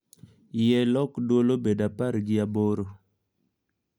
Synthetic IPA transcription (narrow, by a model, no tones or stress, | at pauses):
jɛlɔkdwolobedapaɾɡɪaboɾo